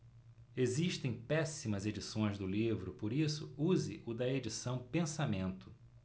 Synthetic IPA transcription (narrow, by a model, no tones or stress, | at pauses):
eziʃt̪ẽj̃pɛsimɐzed͡ʒisõj̃zd̪ʊlivɾʊpoɾisʊuzɪʔʊd̪ɐed͡ʒisɐ̃w̃pẽsamẽnt̪ʊ̥